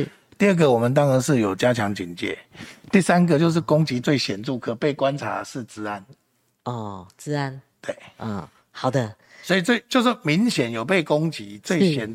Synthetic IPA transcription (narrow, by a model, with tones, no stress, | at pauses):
t̪i˥˧ə˥˩ɡə˨wɔ˨˩mə˨nt̪̬ɑ˥ŋɻə˥nʂɻ̩˥˩jo˨˩ʊt͡ɕja˦t͡ɕʰjɑ˧˥ŋt͡ɕi˨˩nt͡ɕjɛ̰˥˩t̪i˥˩sa˦nɡə˨t͡ɕjo˥˧ʊʂ̬ɻ̩˥˩kʊ˥ŋt͡ɕi˧˥t͡swe˥˩ɪɕjɛ˨˩nʈ͡ʂu˥˩kʰɤ˨˩pe˥˩ɪkwa˦nʈ͡ʂʰa̰˧˦ə˨ʂɻ̩˥˩t͡sɹ̩˥a˦n | ɔ˥˩t͡sɹ̩˥a˦˥n | t̪we˥˩ɪ˥˩ | hɑ˨˩ʊd̪ə˦ | swɔ˧˥i˨˩t͡swe˥˩i˨˩t͡ɕjo˥˧ʊʂɻ̩˥˩mi˧˥ŋɕjɛ˨˦njo˨˩ʊpe˥˨ɪkʊ˦˥ŋt͡ɕi˨˦t͡swe˥˨ɪɕjɛ˨˩n